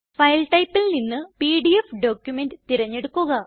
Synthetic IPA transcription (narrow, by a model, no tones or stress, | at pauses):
fɐjlʈɐjpːilninːɨpiːɖiefɖoːkjume̞ndɨt̪iɾɐɲːe̞ɽukːuɣɐ